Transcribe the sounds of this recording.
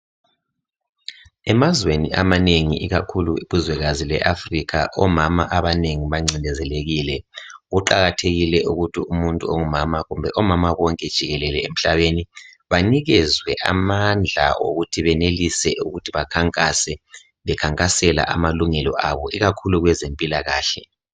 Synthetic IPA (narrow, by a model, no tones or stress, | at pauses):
ɛmazwenḭʔamaneŋḭʔiɣakʰuluiβuzwɛɣazilɛ̰ʔafrikʰa̰ʔɔmamaʔaβaneŋiβaŋ͡ǀindɛzɛleɣiːlɛɣuǃaɣatʰeɣilɛʔuɣutʰiumuntʼuoŋumamaɣumbʱɛʔɔmamaβɔŋkʼɛd̥ʒ̥ʱiɣɛlɛlɛem̩ɬaβeni | βaniɣɛzwɛʔa̰mand͡ɮʱa̰o̰ɣutʰiβɛnelisɛʔuɣutʰiβakʰaŋkʼasɛ | βɛkʰaŋkʼasɛla̰ʔamaluŋɛlɔ̰ʔaβɔiɣakʰuluɣwɛzempʼilaɣaːɬɛ